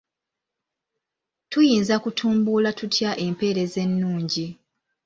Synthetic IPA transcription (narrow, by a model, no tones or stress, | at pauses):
tujiːnzakutʰuːmbulatutʰjaʔe̞mpe̞ːɾe̞ze̞nːuːɲɟi